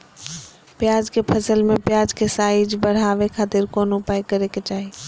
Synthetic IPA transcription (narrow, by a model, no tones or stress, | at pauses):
pɪjaːd͡ʒkʰepʰəsəlmẽpɪjaːd͡ʒkʰesaːɪid͡ʒbəɽ̤aːʋekʰaːt̪ɪɾkoːnʊpaːjkəɾeket͡ʃaːɦi